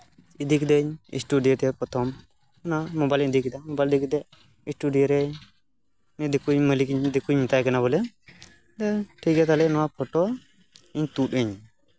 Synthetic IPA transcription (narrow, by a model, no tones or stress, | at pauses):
id̪ikd̪əɲḭsʈuɖijɔʈ̪ɛpɔt̪ʰɔm | ɔnamɔbajlid̪ikid̪amɔbajld̪ikd̪ɛ | isʈuɖijɔɾɛ | nɛd̪ikujməlikɲd̪ikuɲmit̪ajkanabɔlɛ | d̪ɛʈʰiɡɛt̪alɛnɔwapʰɔʈɔ | iɲt̪utəɲ